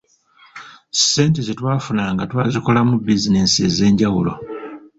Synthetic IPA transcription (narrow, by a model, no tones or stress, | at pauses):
se̞ːntezetwaːfunaŋɡatwaːziko̞lamubizine̞sieze̞ːɲɟawulo̞̰